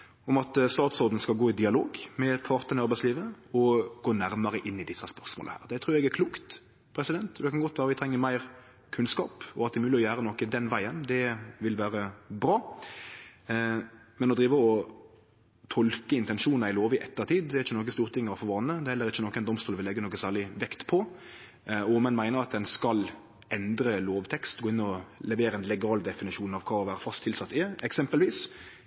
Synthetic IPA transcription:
ɔmɑt̪st̪ɑːt̪sɔd̪n̩skɑlɡoːɪd̪ɪɑlo̰ːɡmɛpʰɑɾt̪ənɪɑɾbæɪsliːʋəɔɡ̥oːnæɾmɑɾəʔɪnːɪd̪ɪsːɑspœɾsmo̰ːləhæ̰ːɾd̪ɛt̪ʰɾʉːɾɛɡæɾkʰluːkt̪ | pʰɾɛsɪd̪ɛnt̪d̪ɛkʰɑnɡɔt̪ːʋæːɾəʋɪt̪ʰɾɛŋːəɾmæɪɾ | kʰʉnskɑ̰ːpɔɑt̪̚d̪ɛmʉːlɪɔjæːɾənɔkːəd̪ɛnʋæɪənd̪ɛʋɪlʋæːɾəbɾɑː | mɛnɔd̪ɾiːʋəɔ | t̪ʰɔlkəɪnt̪ɛnʂuːnɑɪloːʋɪʔɛt̪ːəʁt̪ʰiːd̪d̪ɛɛɾɪçːənɔkəst̪uːɾət̪ʰɪŋːəɾɑfɔʋɑnːəd̪ɛhɛlːəɾɪçːənɔkːɛɪnɔmst̪uːʋɪlɛɡːənoːkəsæːʁɭɪʋɛkt̪pʰɔ | ɔmɛnmæɪnəɾɑt̪̚d̪ɛnskɑl | ɛnd̪ɾəloːʋt̪ʰɛkst̪ɡoːɪnːɔlɛʋeːɾəɛnlɛɡɑːld̪ɛfɪnɪʃuːnɑʋkʰɑːɔʋæːɾəfɑst̪ʰːɪlsɑt̪ːɪɛksɛmpəlʋiːs

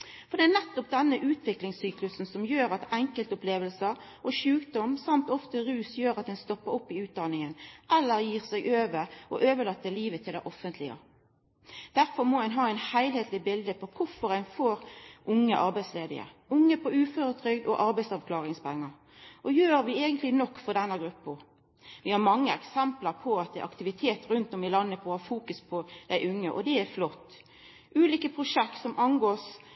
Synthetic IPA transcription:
fɔʁɾd̪ɛːnɛt̪ːɔp̚d̪ɛnːəʔʉːt̪ʰʋɪklɪŋssyːklʉsn̩sɔmjøːɾɑt̪ɛŋkəlt̪ʊpleːʋəlsə | ʔɔʃʉːkd̪ɔmsɑmt̪ɔft̪əɾʉːsjøːɾɑt̪̚d̪ɛɪnst̪ɔpːəɾʊpːɪʉːt̪̚d̪ɑnɪŋənʔɛlːəʁjiːʁsæɪɡʔøːʋəʁɔ̰ʔøːʋəlɑt̪ːəliːʋət̪ʰɪld̪æɪʔɔfənt̪ʰlɪə̰ | d̪̥æʁfɔɾmoːæɪnɦɑːæɪnhæɪlheːt̪ʰlɪbɪld̪əpʰɔkʰʊɾfɔɾæɪnfoːɾʔʊŋːəʔɑɾbæɪsleːd̪ɪ̰ə̰ɾʊŋːəpʰɔʉːføɾət̪ʰɾʏɡd̪ɔ̰ʔɑɾbæɪt̪sɑʋkʰlɑːʁɪŋspʰɛŋːɑ | ʔɔjøːɾʋɪeːɡənt̪lɪnɔkːfɔɾd̪ɛnːəɡɾʉpːə | ʋɪhɑɾmɑŋːəɛksɛmpləɾpʰɔɑt̪̚d̪ɛʔɑ̰kt̪ɪʋɪt̪ʰeːt̪ɾʉnt̪ɔmɪlɑnːəpʰɔhɑːfuːkʉspʰɔd̪̥æɪʔʉŋːəʔɔd̪ɛæflɔt̪ː | ʔʉːliːkəpʰɾʊʂɛkt̪sɔmʔɑnɡoːs

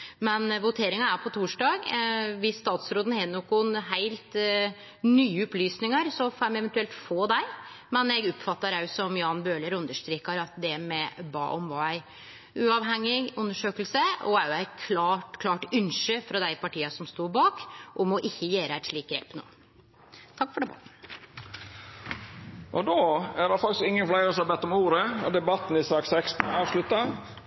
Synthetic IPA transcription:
mɛnʋʊt̪ʰeːɾɪŋɑæɾpʰɔt̪ʰuːʂɖɑːɡʋɪsːt̪ɑːt̪sɾoːd̪ən̩henːʊkʊnɦæɪlt̪ | nyːəɔplyːsnɪŋəɾsɔfoːɾæmɛʋɛnt̪ʉɛlt̪foːd̪æɪ | mɛnɛɡɔpfɑt̪ːəɾɑʉsɔmjʊɑːnbøːləɾʉnd̪əʂt̪ɾiːkɑɾɑt̪d̪ɛmɛbɑ̰ːʔɔmʋɑæɪ | ʉɑʋɦɛŋːɪɡʉnːəʂøːkəlsəɔæɾjʊæɪkʰlɑkʰlɑːʈʉnʂəfɾɑd̪æɪpʰɑʈʰiːɑsɔmst̪uːbɑːkʔɔmɔʔɪçːəjeːɾəæt̪ʂɭiːkɛpnʊ̰ | t̪ʰɑkːfɔɖɛbɑt̪ | ʔɔd̪oːæɾdɑfɑk̚t̪ɪskɪŋːənflæɪɾəsɑbɛt̪ːɔmuːɾəɔd̪ɛbɑt̪n̩ɪsɑːksɛkst̪n̩ɑːʋʂlʉt̪ːɑ

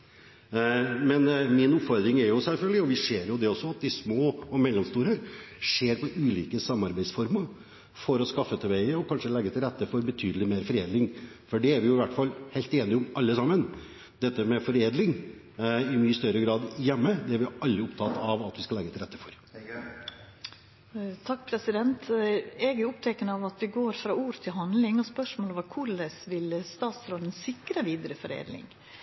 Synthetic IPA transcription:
mɛnmɪnʊpfɔɾd̪ɾɪŋɛɾjʊsɛlfœlɡ̪əlɪɔʋɪʂeːɾjʊd̪ɛɔsːɔɑt̪̚d̪ɪsmoːɔmɛlːɔmst̪uːɾəɾʂeːɾpɔʔʉːliːkəsɑmːɑɾbæɪsfɔɾməɾ | fɔɾɔskɑfːət̪ʰɛʋæɪəɔkʰɑnʂəlɛɡːət̪ʰɪlɾɛt̪ːəfɔɾbət̪ʰyːd̪l̩ɪmeːɾfɔɾeːd̪lɪŋ | fɔɖɛæɾʋɪjʊɪʋæʈːfɑlːheɪlt̪eːnɪʊmɑlːəsɑmːən | d̪̥ɛt̪ːəmɛfɔɾeːd̪lɪŋ | ɪmyːəst̪œɾəɡɾɑːd̪jɛmːəd̪ɛæɾʋɪɑlːəʊp̚t̪ʰɑt̪ɑʋɑt̪ʋɪskɑlɛɡːət̪ʰɪlɾɛt̪ːəfɔɾ | t̪ʰɑk̚ːpʰɾɛsɪd̪ɛnt̪ɛɡæɾʊʊpt̪ʰɛkənəɑʋɑt̪ʋɪɡoːɾfɾɑːuːɾət̪ʰɪlɦɑnd̪lɪŋɔspœʂmoːlɔʋəkʰʊɭəsʋɪlst̪ɑːt̪sɾoːd̪ənsɪkɾəʋiːd̪əɾəfɔɾḛːd̪lɪ̰ŋ

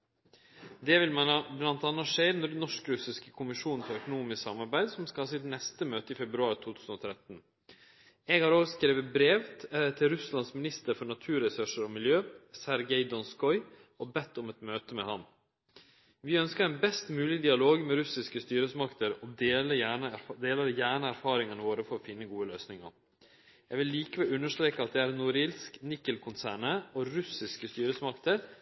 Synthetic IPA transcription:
d̪ɛʋɪlmænɑblɑnt̪ɑnːɑʂeːɾnɔɖɛnɔʂkɾʉsɪskə̥kʰʊmɪʂuːn̩fɔɾœkʊnuːmɪsksɑ̰mɑɾbæɪd̪sɔmskɑhɑːsɪt̪nɛst̪əmøːt̪əɪfɛbɾʉɑːɾt̪ʰuːt̪ʰʉːsn̩ɔːt̪ʰɾɛt̪n̩ | ɛɡhɑːɾoːɡskɾeːʋəbɾeːʋt̪ʰɪlɾʉslɑnsmɪnɪst̪əɾfɔɳɑt̪ʰʉːɾɛsʉʂəɾɔmɪljøːsæɾɡɛɪd̪ɔnskɔʏ | ɔbɛt̪ːʊmɛt̪møːt̪əmɛhɑm | ʋɪœnskəɾɛnbɛst̪mʉːlɪd̪ɪɑloːɡmɛɾʉsɪskəst̪yːɾəsmɑkt̪ʰəɾɔd̪eːləæɳəd̪eːləɾjæːɳəæɾfɑːɾɪŋənəʋoːɾəfɔɾɔfɪnːəɡuːəløːsnɪŋə̰ɾ | jæɡʋɪlːiːkəʋɛlʉnːəʂt̪ɾeːkəɑt̪̚d̪ɛæɾnʊɾɪlsknɪkːəlkʰʊnsæːɳəɔɾʉsɪskəst̪yːɾəsmɑkt̪əɾ

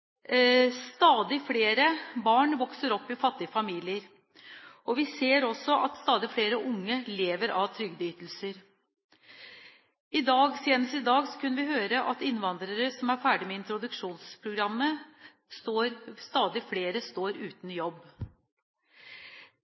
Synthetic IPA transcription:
st̪ɑːd̪ɪfleːɾəbɑːɳʋɔksəɾɔpːɪfɑt̪ːɪəfɑmiːlɪəɾ | ɔʋɪseːɾɔsːɔʔɑt̪st̪ɑːd̪ɪfɽeːɾəʔʊŋːəleːʋəɾɑʋt̪ʰɾʏɡd̪əyːt̪lsəɾ | ɪd̪ɑːɡseːnəst̪ɪd̪ɑːɡsɔ̥kʰʉnːəʋɪhøːɾəʔɑt̪ɪnːʋɑnd̪ɾəɾəsɔmæɾfæːɖɪmɛɪnt̪ɾʊd̪ʉkʂuːnspʰɾʊɡɾɑmːə | st̪oːɾst̪ɑːd̪ɪfleːɾəst̪oːɾʉːt̪n̩jɔb

